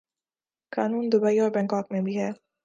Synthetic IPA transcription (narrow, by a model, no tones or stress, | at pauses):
kɑnund̪ʊbajobɛŋkɑːk̚mebiɦɛ